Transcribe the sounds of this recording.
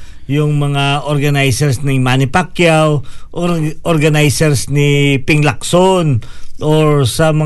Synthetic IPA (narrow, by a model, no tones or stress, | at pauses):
jʊŋmɐŋaʔoɾɡɐnajsɛɹsnɪŋmanɪpakjawʔʔoɾɡɐnajsɛɹsnɪpɪŋlɐksonʔoɹsɐmɐ